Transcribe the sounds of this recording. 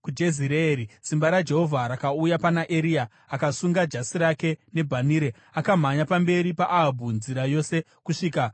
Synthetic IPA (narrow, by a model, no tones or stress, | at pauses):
kud͡ʒe̞ziɾeeɾit͡simbaɾad͡ʒe̞ɦo̞vʱaɾakaujapanaʔe̞ɾijaː | kasuŋɡad͡ʒasiɾake̞ne̞bʱaniːɾe | akam̤aɲapambe̞ɾipaʔaabʱunziɾajo̞se̞ | kuʂiːka